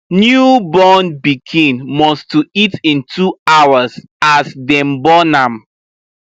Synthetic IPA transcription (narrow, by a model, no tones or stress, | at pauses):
njubɔnbikʰĩnmɔstuitĩntʰuawaz | asdɛ̃mbɔnãm